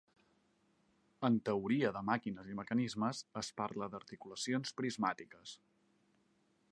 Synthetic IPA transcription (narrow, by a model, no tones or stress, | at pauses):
ənt̪əuɾiəðəmakinəziməkənizməzəspaɾləðəɾt̪ikuləsionspɾizmat̪ikəs